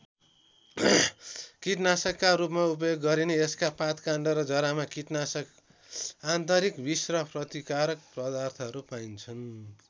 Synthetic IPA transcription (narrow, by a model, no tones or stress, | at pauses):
kiʈnasʌkːaɾupmaup̬ʌjoɡːʌɾineeskapat̪kaɳɖʌɾʌd͡zʌɾamakiʈnasʌk | ant̪ʌɾikbisrʌprʌt̪ikaɾʌk̚prʌd̪art̪ʰʌʌɾupaint͡sʰʌn